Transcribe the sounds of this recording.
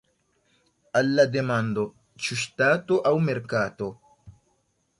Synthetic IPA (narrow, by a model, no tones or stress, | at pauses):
alːad̪emand̪o | t͡ʃust̪aːt̪oʔawmeɾkaːt̪o